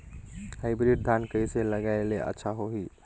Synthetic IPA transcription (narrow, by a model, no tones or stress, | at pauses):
haɪbɾiɖ̚d̪ʱankəiseləɡaeleʔə̰tːʃʰaɦoɦi